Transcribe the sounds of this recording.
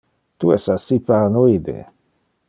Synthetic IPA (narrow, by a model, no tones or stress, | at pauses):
t̪uɛsasipaɾnoid̪ḛ